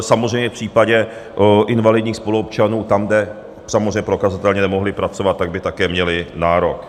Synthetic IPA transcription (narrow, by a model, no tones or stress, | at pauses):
samozr̝ɛjmɲɛfpr̥iːpaɟɛʔɪnvalɪdɲiːxspoluop̚t͡ʃanuːt̪amɡdɛ | samozrejmɲːɛpɾo̞kazat̪ɛlɲɛnɛmoɦlɪpɾat͡sovat̪ːaɡ̚bɪt̪akɛːmɲɛlɪnaːɾok